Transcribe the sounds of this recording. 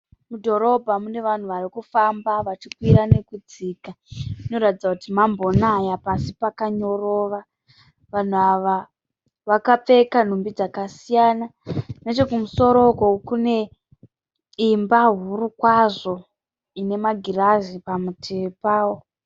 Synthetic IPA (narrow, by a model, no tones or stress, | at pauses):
mudʱo̞ɾo̞bʱamune̞ʋan̤uʋarikufambaʋat͡ʃikwiɾane̞kud͡ziːkaino̞ɾatid͡zakutimambo̞najapasipakaɲo̞ro̞ːʋa | ʋan̤uaʋa | ʋakap͡fe̞kan̤umbid͡zakasijaːnane̞t͡ʃe̞kumuso̞ɾo̞kokune̞ | imbaɦuɾukwaʐo̞ | ine̞maɡʱiraʒipamutʰepaːwo̞